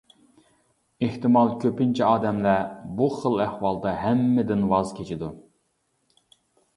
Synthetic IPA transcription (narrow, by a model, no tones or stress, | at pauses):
eht̪ɪmɑlˠkʲʰøpint͡ʃʰiɑːd̪ɛmlɛbuχəlˠæhwɑlˠd̪ɑɦɛmːɛd̪ɪnwɑzkʲʰet͡ʃʰid̪u